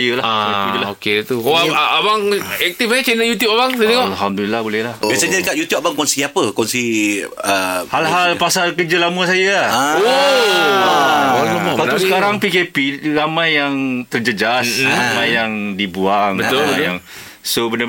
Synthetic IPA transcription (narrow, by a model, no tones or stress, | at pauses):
jəlaaiilaoket̪uoabaŋɛk̚t̪ifɲat͡ʃɛnajut̪jup̚abaŋtat̪eŋɔʔlɦamd̪ulilahbolɛhlahbasəɲadəkat̪̚jut̪jup̚abaŋkɔnsiapəkɔnsiəhalɦalpasalkəd͡ʒəlaməsajao | aamɔausəkaɾaŋpikepiramãjːaŋt̪ərd͡ʒəd͡ʒasɾamãjːaŋdibuaŋbət̪ojaŋ | sobəndə